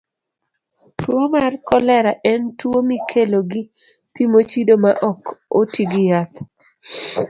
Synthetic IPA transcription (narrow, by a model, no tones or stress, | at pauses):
pʊomarkɔlɛɾaʔɛntwomikʰeloɡɪ | pimot͡ʃidomaʔɔkotiɡɪjat̪